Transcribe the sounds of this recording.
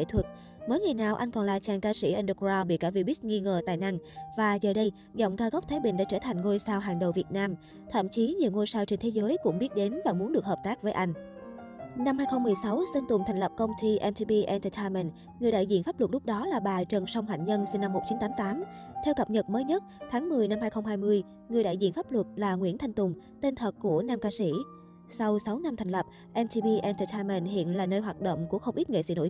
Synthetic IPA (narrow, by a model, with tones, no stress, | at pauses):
kḛ˧˩t̪ʰwə˨˩t̚ | məː˨˦jŋa˨˩jnaː˨˩wʔa˧jŋ̟kɔ˨˩nlaː˨˩t͡ɕaː˨˩ŋkaː˧sḭ˧˩ʔə˧nɗə˧˩kzaː˧wɓḭ˧˨kaː˧˩vi˧ɓi˦˥k̚ŋi˧ŋəː˨˩t̪a̰ː˧˨jna˧ŋvaː˨˩zəː˨˩ɗə˧j | zɔ̰˧˨wŋ͡mkaː˧ɣə˦˥k͡p̚t̪ʰaː˨˦jɓï˧˨ŋ̟ɗa̰ː˧˥t͡ɕəː˧˩t̪ʰa˨˩jŋ̟ŋo˧jsaː˧wɦaː˨˩ŋɗə˨˩wvi˨˩ət̚naː˧m | t̪ʰə̰˧˨mt͡ɕi˨˦ɲi˨əwŋo˧jsaː˧wt͡ɕe˧ŋ̟t̪ʰe˨˦zəː˨˦jkʊ̰˧˥ŋ͡mɓi˦˥ət̚ɗe˨˦nvaː˨˩mu˨˦ənɗɨ˨˩ək̚həː˨˩p̚t̪aː˦˥k̚vəː˨˦jʔa˧jŋ̟ | na˧mhaː˧jxə˧ŋ͡mmɨ˨˩əjsa˨˦wsə˧nt̪ʊ˨˩ŋ͡mt̪ʰɛ˨˩ŋ̟lə˨˩p̚kə˧wŋ͡mt̪i˧ʔɛ˧mt̪ʰi˧ɓi˧ʔɛ˧nt̪əː˧t̪ʰa˧mɛ˧˩nt | ŋ˨˩əjɗa̰ː˧˨zḭ˧˨ənfaː˦˥plwə˨˩t̚lʊ˦˥k͡p̚ɗɔ˨˦laː˨˩ɓaː˨˩t͡ɕə˨˩nsa˧wŋ͡mhwa̰ː˧˩ŋ̚ɲə˧nsi˧ŋna˧mːo˨˩t̚t͡ɕi˨˦nt̪aː˨˦mt̪aː˨˦mt̪ʰɛ˧wkə˨˩p̚ɲə˨˩t̚məː˨˦jɲə˦˥t̚t̪ʰaː˨˦ŋmɨ˨˩əjna˧mhaː˧jxə˧wŋ͡mɦaː˧jmɨ˧əj | ŋɨ˨˩əjɗa̰ː˧˨jzḭ˧˨ənfaː˦˥p̚lwə˨˩t̚laː˨˩ŋwḭ˧˥ənt̪ʰa˧ŋ̟t̪ʊ˨˩ŋ͡m | t̪i˧nt̪ʰə˨˩k̚ku˧˩ənaː˧mkaː˧sḭ˧˩ | sa˧wsa˨˦wna˧mt̪ʰa˨˩ŋ̟lə˨˩p̚ | ʔɛ˧mt̪i˧ɓi˧ʔɛ˧nt̪əː˧t̪ʰa˧mɛ˧˩nhḭ˧˨ənlaː˨˩nəː˧jɦwaː˨˩t̚ɗo̰˧˨wŋ͡mku˧˩əxə˧ŋ͡mʔi˦˥t̚ŋḛ˧˨sɨ̰˧˥no̰˧˨j